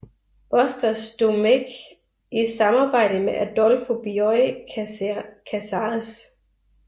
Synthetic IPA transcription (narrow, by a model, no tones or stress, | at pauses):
b̥ɒsd̥ɐsd̥omeɡ̥ | ʔisɑ̈mɑ̈ːb̥ɑ̈ɪ̰d̥əmeʔæd̥ɒlfob̥iɔɪ | kʰæsɑs